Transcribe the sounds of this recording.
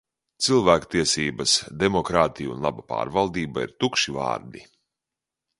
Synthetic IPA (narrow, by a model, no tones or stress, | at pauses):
t̪silˠvæːkt̪iɛsiːbɐsd̪emɔkɾaːt̪ijṵnlˠa̰bapa̰ːɾvalˠd̪iːbaḭɾt̪ukʃiva̰ːɾd̪ḭ